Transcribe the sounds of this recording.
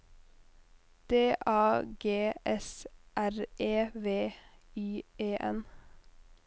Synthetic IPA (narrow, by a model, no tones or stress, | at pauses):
d̪̥eːʔɑːɡeːʔɛsʔæɾeːʋeːyːeːʔɛ̰n